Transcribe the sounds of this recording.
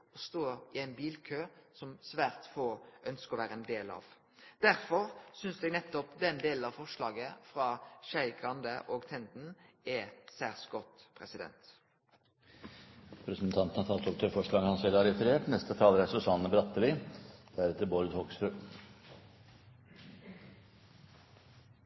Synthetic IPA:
ɔst̪oːɾɪæɪnbiːlkʰøːsɔmsʋæːʁt̪foːœnskəɔʋæːʁəɛnd̪eːlɑ̰ʋ | d̪̥æɾfɔɾsʏnsd̪ɛɡnɛt̪ːɔpd̪ɛnd̪eːln̩ɑʋfɔʂlɑːɡəfɾɑʃæɪɡʁɑnd̪əʔoːɡt̪ʰɛnd̪n̩ | ɛsæːʁsɡɔt̪pʰɾɛsɪd̪ɛ̰nt̪ | pʰɾɛsnt̪ʰɑnt̪ənɑt̪ʰɑːlt̪ɔk̚t̪ʰøːɾfɔʂɭɑːɡəhɑnsɛlːɑɾɛfəɾeːʈnɛst̪ət̪ʰɑːləɾæsʉsɑnːəbɾɑt̪ːəlɪd̪̥æɾɛt̪ːəɾboːɾəd̪hɔksfɾʉː

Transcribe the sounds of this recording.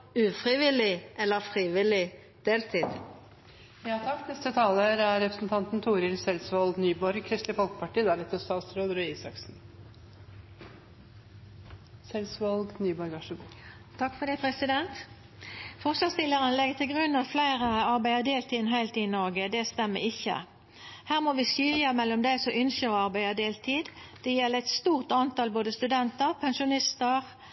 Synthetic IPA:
ʉːfʁɪʋɪlɪʔɛlːəfɾiːʋɪlɪ | d̪̥eːlt̪ʰiːd̪̥ | jɑːt̪ʰɑkt̪nɛst̪ət̪ʰɑːləɾæɾɛpɾəsn̩t̪ʰɑnt̪n̩t̪ʰuːɾɪlsɛlsʋɑlɡnyːbɔɾɡ̚kʰɾɪst̪lɪfɔlkə̥pʰɑʈiːd̪æɾɛt̪əst̪ɑːt̪sɾoːd̪ɾʉːiːsɑ̰ksn̩ | sɛlsʋɑlɡnyːbɔɾɡɑʂəb | t̪ʰɑkːfɔd̪ɛɪpʰʁɛsɪd̪ɛnt̪ | fɔʁsʋɑst̪ɪlːəʁənlɛɡət̪ʰɪlɡʁʉnːɑt̪flæɪʁəəɑʁbæɪəd̪eːlt̪ʰiːd̪nɦæɪlt̪ɪnɔʁɡəd̪ɛst̪ɛmːə̰ɪçə̰ | hæːʁmoːʋiːsyːlɪəmɛlːɔmd̪æɪsɔʏnsəɑʁbæɪəd̪eːlt̪ʰiːd̪d̪̥ɛjɛlːəɛɪt̪st̪uːʁt̪ɑnt̪ɑlboːd̪əst̪ʉd̪ɛnt̪əʁpʰɛnʃʊnɪst̪əʁ

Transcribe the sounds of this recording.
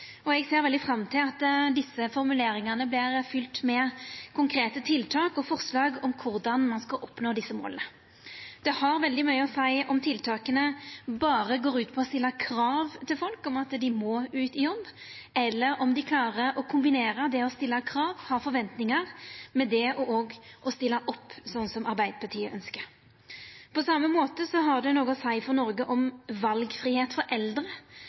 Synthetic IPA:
ɔɛɡseːɾʋɛld̪ɪfɾɑmt̪ʰɪlɑt̪d̪ɪsːəfɔɾmʉleːɾɪŋənəblɪɾfʏlt̪mɛkʰʊŋkʰɾeːt̪ət̪ʰɪlt̪ʰɑːkɔfɔʁslɑːɡɔmkʰʊɾd̪ɑnmɑnskɑʔɔpnoːd̪ɪsːəmo̰ːlə̰nə | d̪̥ɛhɑɾʋɛld̪ɪmœʏəɔsæɪʔɔmt̪ʰɪlt̪ʰɑːkənəbɑːɾəɡoːɾʉːt̪pʰɔɔst̪ɪlːəkʰɾɑːʋt̪ʰɪlfɔlkɔmɑt̪d̪ɪmɔʉːt̪ɪjɔbː | ɛlːəɾɔmd̪ɪkʰlɑːʁəɾɔkʰʊmbɪneːɾəd̪ɛɔst̪ɪlːɑkʰɾɑːʋhɑfɔɾʋɛnt̪nɪŋəʁmɛd̪ɛʔɔʔɔːɡʔɔst̪ɪlːəʔɔpːsɔnːsɔmɑɾbæɪd̪əpʰɑʈʰiːəʔœnskəɾ | pʰɔsɑmːəmoːt̪əsɔɦɑʁd̪ɛnoːɡɔsæɪfɔnɔɾɡəʔɔmʋɑlɡfɾiːheːt̪fɔɾʔɛld̪ɾə

